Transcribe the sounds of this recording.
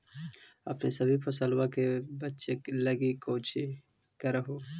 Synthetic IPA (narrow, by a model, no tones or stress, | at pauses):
ɐpnesɐbʱipʰɐsəlwakebɐt̪ːʃeklɐɡikoːt͡ʃʰikɐɾɐɦo